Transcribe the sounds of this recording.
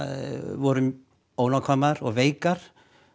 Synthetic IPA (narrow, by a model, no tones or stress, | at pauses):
vɔɾʏm | ownakʰɔmaɾɔɣveːjkaɾ̥